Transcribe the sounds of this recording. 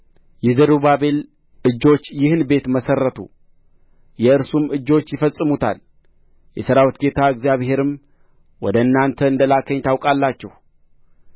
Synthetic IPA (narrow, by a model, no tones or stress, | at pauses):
jɛzəɾubabe̞l | ɨd͡ʒːo̞t͡ʃːjɪhɨnbe̞t̪məsərːət̪ʰṵ | jɛɨɾsumɨd͡ʒːo̞t͡ʃːjɪfəsʼːɨmut̪ʰa̰l | jɛsəɾawɨt̪ɡe̞t̪ʰaɨɡzijaβhe̞ɾɨm | wɔd̪əɨnːant̪ʰəɨnd̪əlakʰəɲt̪ʰawkʼalːat͡ʃːɛh